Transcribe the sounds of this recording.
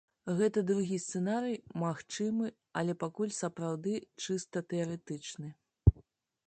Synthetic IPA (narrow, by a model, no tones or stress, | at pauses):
ɣɛt̪ɐd̪ɾuɣʲist̪sɛnaɾɨjmaxt͡ʂɨmɨ | ɐlʲɛpakulʲsɐpɾawd̪ɨt͡ʂɨst̪ɐt̪ɛɐɾɛt̪ɨt͡ʂnɨ